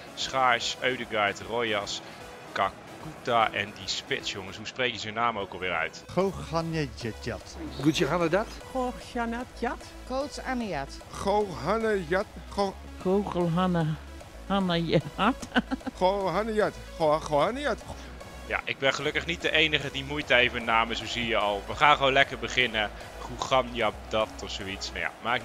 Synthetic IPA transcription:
sχaːɹsøɥdəɡrajtrojas | ka | kutaʔɛ̰ndispɪtsjoŋəsɦuspreːkjəzənaːmowkəlˠʋɪːɾœ̰ɥtxohanəətatɡujəɦanədat | xoʃanatjat | koːt͡sanəjatxowɦanəjatxo | kʰowχəlˠɦanə | hanəjəatχoɦanəjat | oxohanəjat | ja̰ʔɪɡ̚bɛnχəlɵkəχnit̚dəʔejnəχədimujtəejvənaːməzoziəjəɔlˠʋəχaːnχʋoːnlɛkərbəχɪnə | χuχɑnjɑdɑtɔfsoitsmaja̰maːk

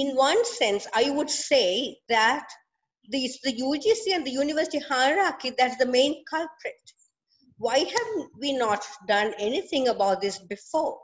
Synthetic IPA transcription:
ɪ̃nʋʌ̃nsɛ̃nsaɪʋʊɖseːd̪æʈ | d̪isd̪əjuːd͡ʒiːsiɛ̃nɖd̪əjuːnɪʋəɾsɪʈihaɪɾakid̪æʈsd̪əmẽɪ̃nkʰʌlpɾeʈ | ʋaɪhæʋʋiːnɔːʈɖʌ̃nɛnit̪ʰɪ̃ŋəbaʊʈ̚d̪ɪsbɪfɔːɾ

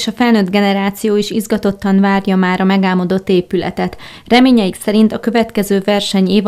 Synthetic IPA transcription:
ʃɒfɛlnøːd̪ɡɛnɛɾaːt̪sijoːiʃizɡɒt̪o̞t̪ːɒnvaːrjɒmaːɾɒmɛɡaːmɒd̪o̞t̪ːeːpylɛ̰t̪ɛt̪ | rɛmeːɲɛjiksɛɾint̪ɒkø̞vɛt̪kɛzøːvɛrʃɛɲeːv

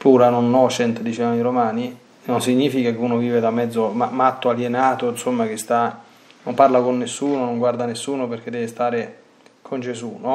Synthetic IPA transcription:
puːɾanonɔt͡ʃːɛnt̪ed̪it͡ʃamiɾomaːni | nonsiɲːiːfikak̟eunoviːved̪amːɛd̪zːomamat̪ːoaljenaːt̪onsomːak̟ɪst̪a | nomparlakonːesːuːnonoŋɡward̪anesːuːnoperk̟ed̪ːɛvest̪aːɾe | kʰond͡ʒesuːno

